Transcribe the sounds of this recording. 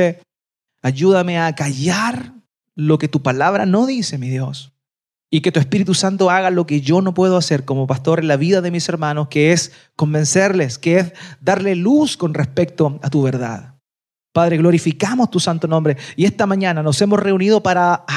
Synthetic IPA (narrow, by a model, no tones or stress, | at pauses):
e | aʝuðameakaʝaɾ | lo̞ke̞t̪upalaβɾano̞ðise̞miðjo̞s | ike̞t̪uespiɾit̪usant̪oaɣalo̞keʝo̞no̞pwe̞ðoaseɾkomopast̪o̞ɾenlaβiðaðemise̞ɾmanoskees | ko̞mbe̞nseɾleskeezd̪aɾlelusko̞nrespek̚t̪oat̪uβeɾða̰ð | paðɾeɣlo̞ɾifikamost̪usant̪onõ̞mbɾeie̞st̪amaɲanano̞semosre̞unið̞o̞paɾa